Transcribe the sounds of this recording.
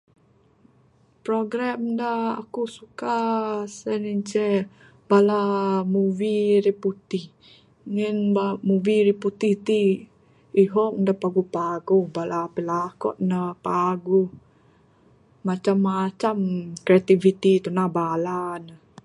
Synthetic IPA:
pɾoɡɾamdaa̰kusukasaniɲt͡ʃɛ | b̥alamuviɾiput̪ih | ŋɛnbamuviɾiput̪iht̪i | iɦɔk̚dapaɡupaɡuhbalapilakɔ̰t̪̚napaɡuh | mat͡ʃamːat͡ʃamkɾiat̪ivit̪it̪unabalanə

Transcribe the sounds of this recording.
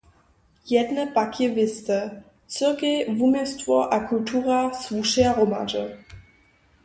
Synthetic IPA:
jɛdnəpakjɛvɪst̪ə | t͡səkevumɪstvɔʔakultʰuːʁasvuʃɛaʁoma̰d͡ʒə

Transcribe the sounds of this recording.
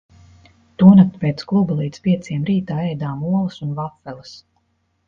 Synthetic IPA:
t̪uɔnat̪peːt̪sklˠubalˠiːt̪spʲiɛt̪siɛmɾiːt̪aːɛjd̪aːmuɔlˠɨsunvafːɛlˠɨs

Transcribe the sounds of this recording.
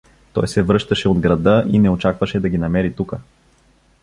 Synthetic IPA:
t̪ɔ̰jsɛvɾɤʃt̪ɐʃɛod̪ɡɾɐd̪ɤʔinɛot͡ʃakvɐʃɛd̪ɐɡʲinɐmɛɾit̪ukə

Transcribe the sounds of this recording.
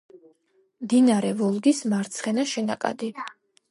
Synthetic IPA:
md̪inaɾɛvɔlˠɡismaɾt̪sʰχɛnaʃɛnakʼa̰d̪i

